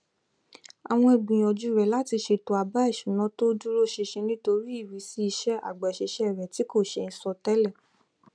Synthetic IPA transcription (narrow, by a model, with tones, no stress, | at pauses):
a̰˨w̃ɔ̃˧e˨ɡ͡bĩ˨j̃ɔ˨d͡ʒu˨˦˨ɾɛ˨la˦ti˧ʃe˧to˨a˨ba˨˦i˦˨ʃũ˨˦nɔ̃˨˦to˦d͡ʒu˦ɾo˦ʃe˧ʃẽ˧nĩ˦to˧ɾi˦i˦˨ɾi˨˦si˦i˧˦ʃɛ˦a̰˨ɡ͡ba˨ʃe˧ʃɛ˦˨ɾɛ˨ti˨˦ko˦˨ʃe˧n̩˨˧sɔ˧tɛ˦lɛ˦˨